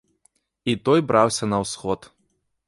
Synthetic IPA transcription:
it̪ɔjbɾawsʲɐnɐwsxɔt̪

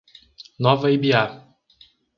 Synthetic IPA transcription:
nɔvɐibia

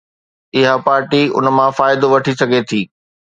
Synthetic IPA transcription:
ɪɦapaːɾʈiʊ̰nmãfaːɪd̪oʋɐʈʰisɐɡʱet̪ʰiː

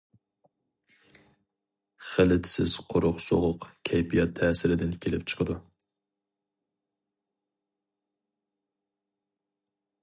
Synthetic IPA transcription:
χəlɪt̪ʰsɪz̥qʰoɾʊqso̰ʁʊqkʲʰɛjbijɑt̪ʰːɛːsɪɾɪd̪ɪnkʲʰelɪ̰p̚ʲt͡ʃʰə̥qʰəd̪u

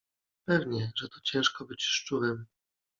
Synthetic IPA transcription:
pɛvɲɛʐɛt̪ɔ̥t͡ɕɛ̃w̃ʂkɔbɘt͡ɕʂt͡ʂuɾɛm

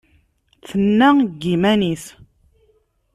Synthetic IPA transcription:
θənːæɡːimænis

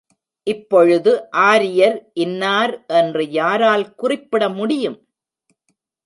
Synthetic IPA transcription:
ʔɪpːɔɻɯðɯʔaːɾɪjɐɾʔɪnːaːɾʔɛndrɯjaːɾaːlkʊrɪpːɪɽɐmʊɽɪjɯm

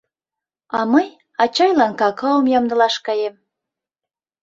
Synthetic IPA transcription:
ɑmɤj | ɑt͡ɕɑjlɑnkɑkɤ̆ləmjɑmd̪ɤ̆lɑʃkɑjem

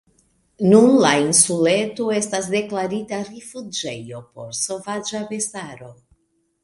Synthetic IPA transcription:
nunlainsule̞toe̞stasde̞klaɾitarifud͡ʒejo̞po̞̰ɾso̞vad͡ʒabe̞saɾo̞

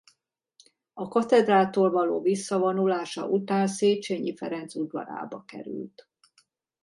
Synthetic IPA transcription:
ɒkɒt̪ɛd̪raːt̪oːlvɒlo̰ːvisːɒvonulaːʃɒ̰ʔut̪aːnseːt͡ʃeɲifɛɾɛnt̪sud̪ʋɒ̰ɾa̰ːbɒkɛ̰ɾy̰lt̪

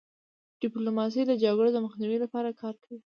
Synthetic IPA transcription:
ɖ̥ɪplomɑs̬əjlad͡ʒɑɡɽod̪əməxniwilapɑɾakʰɑɾkawi

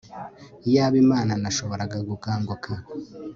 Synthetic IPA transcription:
ijaːβimaːnanaʃo̞βo̞ɾaɡaɡukaːŋɡwoka

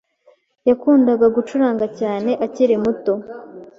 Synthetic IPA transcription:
jakuːndaɡaɡut͡ʃuɾaːŋɡacaːne̞ʔaciɾemuto̞

